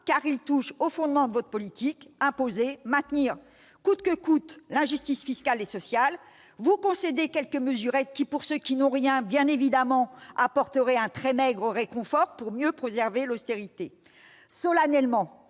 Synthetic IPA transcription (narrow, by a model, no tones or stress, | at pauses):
kaʁilt̪uʃofɔ̃d̪mɑ̃d̪əvɔt̪χəpɔlit̪ikɛ̃pozemɛ̃t̪niːʁ | kut̪kəkut̪lɛ̃ʒyst̪isfiskalesɔsjal | vukɔ̃sed̪ekʲɛlkəməzyʁɛkʲipuʁsøkʲinɔ̃ʁjɛ̃bjɛ̃nevid̪amɑ̃apɔʁt̪əʁɛɛ̃t̪χɛmɛɡʁəʁekɔ̃fɔʁpuʁmjøpχezɛʁvelost̪eʁit̪e | sɔlanɛlmɑ̃